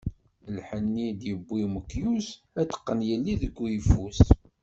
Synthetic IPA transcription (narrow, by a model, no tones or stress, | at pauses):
lħənːid̪jəbːiməkːjus | æt̪ːə̥qːənjəlːiðəɡʷːjəfus